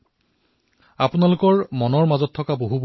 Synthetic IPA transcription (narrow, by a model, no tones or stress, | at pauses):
apʊnalʊkɔɹmɔnɔɹmazɔtʰːɔkaboɦub